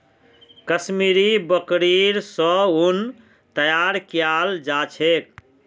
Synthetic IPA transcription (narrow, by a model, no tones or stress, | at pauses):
kəsmiɾibəkɾiɾsɔun | t̪əjaɾkjald͡ʒat͡ʃʰek̚